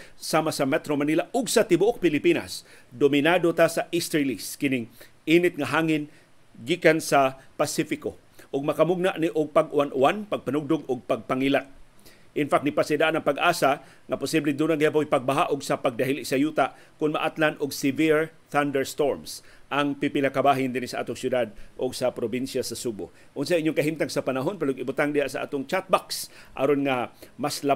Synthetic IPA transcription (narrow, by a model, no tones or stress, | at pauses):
samasamɛt̪ɾomanilaʔʊɡsat̪ɪbʊʔʊk̚pɪlɪpina̰s | d̪omɪnad̪ot̪asaʔist̪ɾiliskɪnɪŋ | ʔinɪt̪̚ŋaɦaːŋɪn | ɡikansapasifɪko | ʔʊɡ̚makamʊɡ̚naʔniʔʊɡ̚paɡʊanʔʊanpaɡ̚panʊɡ̚d̪ʊɡʊɡ̚paɡ̚paŋilat̪̚ | ʔɪnfak̚t̪nɪpasɪd̪aʔanaŋpaɡʔaːsa | ŋapʊsiblɪd̪uːnaɡɪap̬ojpaɡ̚baɦaʔʊɡsapaɡ̚d̪aɦilɪʔsɐjuːt̪a | kʊnmaʔat̪lanʔʊɡsɪviɹ | θand̪ɛɹst̪oɹms | ʔaŋpɪpɪlakabaːɦɪnd̪ɪnisaʔa̰t̪oŋsjʊd̪ad̪̚ʔʊɡsapɾobinʃjasɐsubʊ̰ | ʔʊns̬aʔiɲːʊŋkɐɦimt̪aŋsapanaɦonpɛloʊɡɪbʊt̪aŋd̪ɪhaʔsaʔa̰ːt̪ʊŋt͡ʃat̪̚baksʔa̰ɾonŋamasla